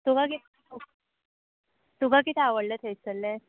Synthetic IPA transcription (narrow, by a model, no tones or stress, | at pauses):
t̪ubʱakit̪ʰ | u | t̪ubʱakit̪ʰɛaʋəɽlət̪ʰejt͡səlːẽ